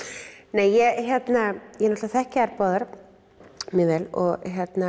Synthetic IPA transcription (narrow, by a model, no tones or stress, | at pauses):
nɛːjjɛçjɛt̪najɛnɔt̪aθɛhcaɛɾpɔðaɾ̥ | mɛvɛlɔ̰ɣçjɛt̪na